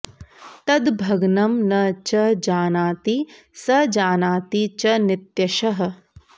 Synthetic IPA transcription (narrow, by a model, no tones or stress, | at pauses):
t̪ɐd̪bʱɐɡnɐmnɐt͡ʃɐd͡ʒaːnaːt̪i | sɐd͡ʒaːnaːt̪it͡ʃɐnɪt̪jɐʃɐɦɐ̆